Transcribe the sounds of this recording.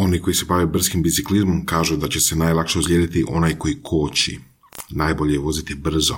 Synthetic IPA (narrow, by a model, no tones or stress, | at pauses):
o̞niko̞jise̞baʋebr̩skimbit̪siklizmomkaːʒud̪at͡ɕe̞se̞najlˠakʃeuslʲjed̪it̪iʔo̞naːjko̞jikʰo̞ːt͡ɕḭ | naːjbo̞ʎejeʋo̞zit̪ibr̩zo